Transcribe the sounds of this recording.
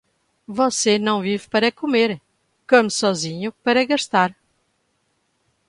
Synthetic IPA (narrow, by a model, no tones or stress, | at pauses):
vɔsenɐ̃w̃vivpɐɾɐkumeɾ | komsɔzĩɲupɐɾɐɣɐʃt̪aɾ